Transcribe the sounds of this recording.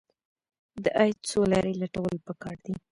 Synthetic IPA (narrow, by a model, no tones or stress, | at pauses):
d̪əʔaj̪t͡solɑɾelaʈawəlpəkɑɾd̪i